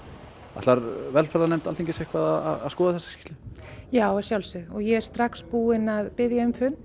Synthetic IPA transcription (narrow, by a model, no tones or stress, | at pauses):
a̰t̪laɾvɛlfɛɾðanɛm̥t̪alʰiɲcɪsehkvaðaða̰aðskɔːðaθɛsːḁski̥ːt̪lɪjaːwɛɾsjawlsʏðɔɣjɛɛɾ̥st̪ɾakspuːɪnaðpɪðjaʏmfʏn